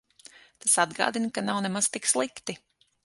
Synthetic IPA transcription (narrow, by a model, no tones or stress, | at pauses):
t̪asad̪ɡa̰ːd̪inkanawnɛmaz̥t̪ikslˠikt̪i